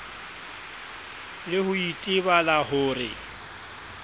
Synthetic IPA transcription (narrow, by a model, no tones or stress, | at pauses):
lɪhʊitʼɪβalahʊːrɪ̰